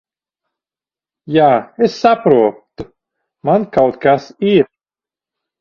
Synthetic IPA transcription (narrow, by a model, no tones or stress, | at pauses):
jaːesːapɾuɔt̪u | mankawt̪kasiɾ